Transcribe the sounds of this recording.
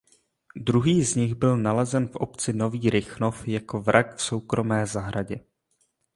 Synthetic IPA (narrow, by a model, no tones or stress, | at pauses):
dɾuɦiːzɲɪɣbɪlnalɛzɛnfʔo̞̰pt͡sɪno̞viːɾɪxno̞fjako̞vɾʔakfso̞wkɾo̞mɛːzaɦɾaɟɛ